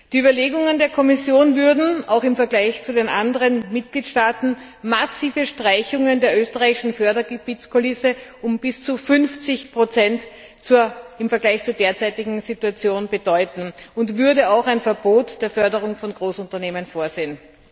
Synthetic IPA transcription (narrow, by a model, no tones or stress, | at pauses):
d̥iːyːbɐleːɡʊŋəndeːɐkʰɔmɪsjoːnvʏɐdn̩a̰ʊxɪmfɛɐɡlaɪçt͡sudenʔandəʁənmɪt̚ɡ̥liːtʃtaːtn̩ | masiːvəʃtʁ̥aɪçʊŋəndeːɐʔøːstəʁaɪɪʃn̩fœɐdɐɡəb̥iːt͡skʰolɪsəʔʊmb̥ɪst͡sufʏnft͡sɪçpʁ̥ot͡sɛnt | t͡suɐɪmfɛɐɡlaɪçt͡suːɐdeːɐt͡sæɪtɪɡŋ̩z̥ituat͡sjoːnbəd̥ɔʏtn̩ʊntv̥ʏɐdəaʊxaɪnfɛɐboːtd̥eːɐfœɐdəʁʊŋfɔnɡʁoːsʊntɐneːmənfoːɐzeːn